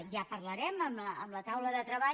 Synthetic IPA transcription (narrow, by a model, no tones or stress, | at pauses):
ʒapərləɾɛməməəːmlət̪awləðət̪ɾəβa